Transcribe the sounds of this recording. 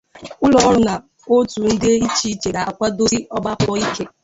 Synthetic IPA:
ʊ˦lɔ˨˦ɾʊ˦na˨ | o˦tu˨n̩˦dɪ˦i˦t͡ʃi˦t͡ʃe˨ɾa˨a˨kʷa˦do˦ɾi˦ɔ˦ba˦pɔ˦i˦ke˦

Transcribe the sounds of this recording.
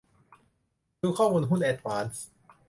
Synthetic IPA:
duː˧kʰɔː˥˩muː˧nɦu˥˩nʔɛː˨˩t̪̚waː˨˦˥ns

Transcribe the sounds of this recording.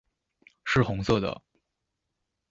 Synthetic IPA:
ʂɻ̩˥˩xʊ˧˥ŋsɤ˥˩d̪ə̰˩

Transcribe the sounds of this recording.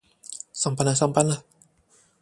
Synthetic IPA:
sa˧mpa˧na˧˨sa˧mpa˧na˧

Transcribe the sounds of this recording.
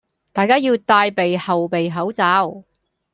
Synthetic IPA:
t̪aː˨jkaː˥jiː˧wt̪aː˧jpe˨jhɐ˨wpe˨jɦɐ˨˥wt͡saː˧˥w

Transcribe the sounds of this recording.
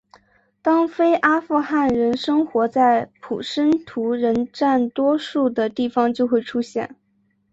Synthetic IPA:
t̪ɑ˥ŋfe˥ɪʔa˥fu˥˧xa˥˩nɻə˧˥nʂɤ˥ŋxwɔ˧˥t͡sa˥˩ɪpʰṵ˨˩ʂə˥nt̪ʰu˧˥ɻə˧˥nʈ͡ʂa˥˩nt̪wɔ˥ʂu˥˩d̪ə˩t̪i˥˩fɑ˧˩ŋt͡ɕjo˥˧ʊxwe˥˩ɪʈ͡ʂʰu˥ɕjɛ̰˥˩n

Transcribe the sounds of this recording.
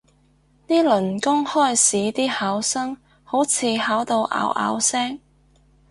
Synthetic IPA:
t̪iː˥lɵ˨˩nkʊ˥ŋhɔː˥˩jsiː˨˥t̪iː˥haː˨˥wsɐ˥ŋ | ho˨˥wt͡sʰiː˨˧haː˨˥wt̪o˧wʔa̰ː˨˧˥wʔa̰ː˨˧wsɛː˥ŋ

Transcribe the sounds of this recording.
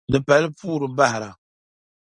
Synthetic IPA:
dɨ˨pa˨lpuː˦ɾɨ˨ba˦hɪ˨ɾa˨

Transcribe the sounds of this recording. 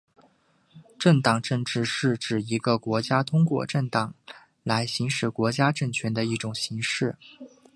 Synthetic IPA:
ʈ͡ʂə˥˩ŋt̪ɑ˨˩ŋʈ͡ʂə˥˧ŋʈ͡ʂɻ̩˥˧ʂɻ̩˥˩ʈ͡ʂɻ̩˨˩i˧˥ɡə˧kwɔ˧˥t͡ɕja˥t̪ʰʊ˥ŋkwɔ̰˥˧ʈ͡ʂə˥˩ŋt̪ɑ˨˩˦ŋ | la˧˥ɪɕi˧˥ŋʂɻ̩˨˩kwɔ˧˥t͡ɕja˥ʈ͡ʂə˥˩nt͡ɕʰɥɛ˧˥nd̪ə˧i˥˩ʈ͡ʂʊ˨˩ŋɕi˧˥ŋʂɻ̩˥˩

